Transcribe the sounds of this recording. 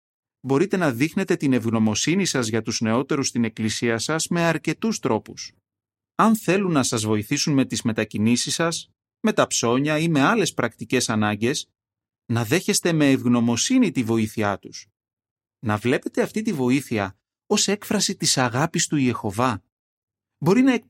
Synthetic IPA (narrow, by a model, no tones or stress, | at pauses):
bo̞ɾit̪e̞nɐðixne̞t̪e̞t̪ine̞vɣno̞mo̞sinisɐzʝɐt̪uzne̞o̞t̪e̞ɾust̪ine̞klisiɐsɐzme̞ɐɾce̞t̪ust̪ɾo̞pus | ɐnθe̞lunːɐsɐzvo̞iθisunme̞t̪izme̞t̪ɐcinisisɐs | me̞t̪ɐpso̞ɲɐime̞ɐle̞spɾɐkt̪ice̞sɐnɐɲɟe̞s | nɐðe̞çe̞st̪e̞me̞ːvɣno̞mo̞sinit̪ivo̞iθiɐt̪us | nɐvle̞pe̞t̪e̞ɐft̪it̪ivo̞iθiɐ | o̞se̞kfɾɐsit̪isɐɣɐpist̪uje̞xo̞vɐ | bo̞ɾinɐe